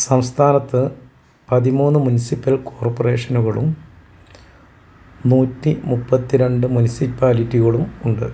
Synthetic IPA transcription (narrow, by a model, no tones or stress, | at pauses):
sɐmst̪ʰaːnɐt̪ːɨ | pɐðimuːnːɨmunisipːɐlko̞ːrpːore̞ːʂɐnuɣɐɭṵm | nuːtːimupːɐt̪ːiɾe̞ɳɖɨmunisipːaːlitːiɣɐɭumuɳɖɨ̰